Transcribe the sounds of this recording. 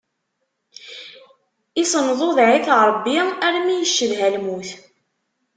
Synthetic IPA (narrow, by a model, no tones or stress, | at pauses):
isˤənðˤoðʕiθɾˤəbːiæɾmijəʃːəðɦælmuθ